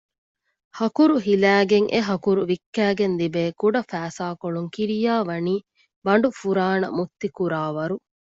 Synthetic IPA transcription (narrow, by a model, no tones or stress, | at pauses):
hɐkuɾuɦilæːɡeŋʔḛɦɐkuɾuʋikːæːɡend̪ibeːkuɖɐfæːsaːkoɭuŋkiɾijaːʋɐniː | bɐɳɖufuɾaːnɐ̰mut̪ːikuɾaːʋɐɾu